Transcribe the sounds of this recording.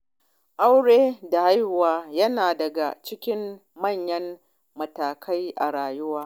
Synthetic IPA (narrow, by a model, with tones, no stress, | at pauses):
ʔa˦wɽeː˦da˨ha˦jhʊ˨waː˦jɐ˦naː˨dɐ˨ɡa̰˨t͡ʃɪ˦kʲɪ˦m | mɐ˦˨ɲjɐ˦m | mɐ˨taː˨kʰa˦jʔa˨ɽaː˨jʊ˦waː˦